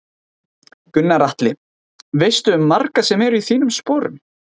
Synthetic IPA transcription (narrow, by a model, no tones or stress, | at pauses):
kʏnːaɾaht̪lɪ | vejst̪ʏʏmːarkasɛmɛɾʏiθiːnʏmspoːɾʏ̰m